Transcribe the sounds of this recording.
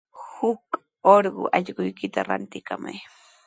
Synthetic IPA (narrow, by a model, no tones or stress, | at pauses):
hʊk | oɾɢʊ̰ʔɑʎɢʊjkɪt̪aɾant̪ɪkama̰j